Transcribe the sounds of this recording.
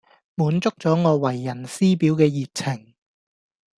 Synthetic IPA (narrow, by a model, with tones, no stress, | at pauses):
muː˨˥nt͡sʊ˥k̚t͡sɔː˨˥ŋɔː˨˧wɐ˨˩jːɐ˨˩nsiː˥piː˨˥wkɛː˧jiː˨t̚t͡sʰɪ˨˩ŋ